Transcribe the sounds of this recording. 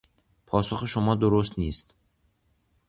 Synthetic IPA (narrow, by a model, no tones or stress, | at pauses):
pʰɔsuχiʃʊmɔd̪uɾus̬t̪nest̪